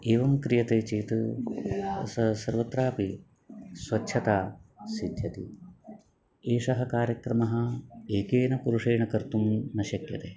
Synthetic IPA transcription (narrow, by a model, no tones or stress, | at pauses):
eːʋɐmkɾijɐt̪eːt͡ʃiːt̪ɨ | sɐsɐɾʋɐt̪ɾaːpi | sʋɐtːʃʰɐt̪aːsid̪ʱjɐt̪ḭ | eːʂɐɦɐkaːɾjɐkɾɐmɐɦɐ̆eːkeːnɐpuɾuʂeːɳɐkɐɾt̪umnɐʃɐkjɐt̪eː